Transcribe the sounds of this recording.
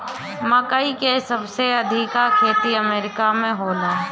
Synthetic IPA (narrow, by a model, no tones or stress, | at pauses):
mə̃kəikesəbseɐd̪ʱɪkakʰeːt̪iəmeːɾɪkamẽɦoːlãː